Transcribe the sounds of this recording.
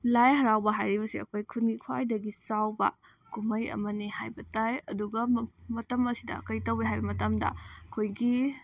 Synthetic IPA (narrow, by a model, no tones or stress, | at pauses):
lajɦɐɾawbɐɦajɾibɐsiɐ̰kʰojkʰunɡikʰwajdɐɡisawbɐ̰ | kumɐjɐ̰mɐnihajbɐtajɐduɡɐmɐtɐmɐsidɐ̰kɐjtɐwiɦajbɐmɐtɐmdɐ̰ɐkʰojɡi